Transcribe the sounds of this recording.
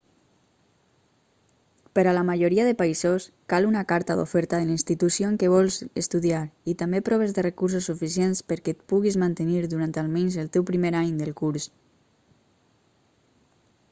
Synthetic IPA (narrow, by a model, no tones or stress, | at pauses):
pəɾalamaʒoɾiaðepaizoskalunakaɾt̪aðo̰fɛɾt̪aðelinst̪it̪usjoeŋkeβɔlˠzest̪uðiaɾit̪ambepɾɔβ̞ezðərekuɾs̬usːufisjenspəɾkɛt̪̚puɣizmant̪eniɾðuɾant̪alˠmenzəlˠt̪ɛwpɾimeɾaɲd̪əlˠkuɾs